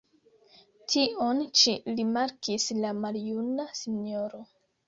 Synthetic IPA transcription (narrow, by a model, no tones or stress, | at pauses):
tio̞nt͡ʃiɾimaɾkislamaljunasiɲo̞ɾo̞